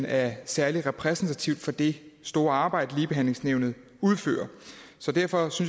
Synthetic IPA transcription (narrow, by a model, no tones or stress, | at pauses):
næɐsæɐliʁɛpʰʁɛsn̩t͡sʰæt͡sʰiʊd̥fɒ̽d̥e̝sd̥o̝ːɐɑ̈ːb̥ɑ̈ɪ̰d̥əliːb̥eɦæn̰le̝ŋsneʊ̰nð̩ˠ | uð̞ˠfø̰ːɐsɒ̽d̥æɐfɒ̽syns